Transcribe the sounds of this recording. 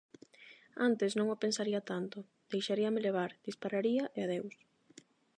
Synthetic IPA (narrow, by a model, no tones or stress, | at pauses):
ant̪ɪsnõŋopensaɾiɐt̪ant̪ʊ | d̪̥ejʃaɾiɐmeleβ̞aɾd̪̥ispaɾaɾiɐʔeaðews